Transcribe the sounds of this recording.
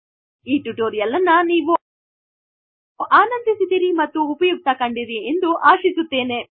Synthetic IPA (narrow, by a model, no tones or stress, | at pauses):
iːʈuʈoːɾijɐlɐnːɐniːʋu | ʔaːnɐnd̪isid̪iɾimɐt̪ːuːpɐjuɡ̚t̪ɐkɐɳɖiɾiend̪uʔaːʃisut̪ːeːne̞